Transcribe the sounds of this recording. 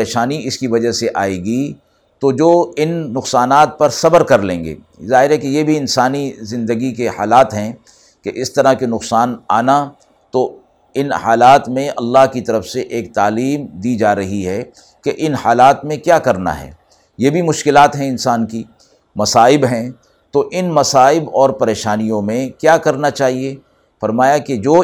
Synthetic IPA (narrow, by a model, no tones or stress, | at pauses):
eːʃaːniɪskiʋɐd͡ʒaɦseʔaːeːɡi | t̪od͡ʒoːɪnːʊqsaːnaːt̪̚pɐɾsɐbəɾkɐɾlẽːŋɡḛː | zaːɦɪɾɦɛkejebʱiɪnsaːnizɪ̃nd̪əɡikeha̰ːlaːt̪ɦɛ̃ | keʔɪst̪ɐɾaɦkinʊqsaːna̰ːna | t̪o | ɪnhaːlaːt̪mẽɐlːaɦkit̪ɐɾəfseʔeːk̚t̪aːliːmd̪id͡ʒaːɾɐɦiɦɛ | keʔɪnhaːlaːt̪mẽkjaːkɐɾna̰ɦɛ̰ː | jebʱimʊʃkɪlaːt̪ɦɛ̃ɪnsaːnki | mɐsaːɪbɦɛ̃ | t̪oʔɪnmɐsaːɪbɔːɾpɐɾeːʃaːnijõmẽkjaːkɐɾnat͡ʃaːɦie | fɐɾmaːjaked͡ʒoː